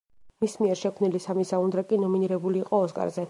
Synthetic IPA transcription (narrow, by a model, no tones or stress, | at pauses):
mismiɛɾʃɛkʰmnilisamisaund̪ɾakʼinɔminiɾɛbuliːqʼɔːskʼa̰ɾzɛ